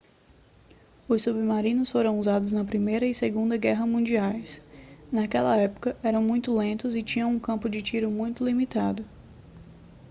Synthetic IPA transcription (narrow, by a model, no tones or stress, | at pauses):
ʊssubɪmaɾĩnʊsfoɾɐ̃w̃uzad̪ʊznɐpɾimejɾɐɪseɡũnd̪ɐɡɛɦɐmũnd͡ʒiajsnakɛlɐɛpʊ̥kɐʔɛɾɐ̃w̃mũj̃t̪ʊlẽnt̪ʊzɪt͡ʃĩɲɐ̃w̃ũkɐ̃mpʊd͡ʒɪt͡ʃiɾʊmũj̃t̪ʊlimit̪ad̪ʊ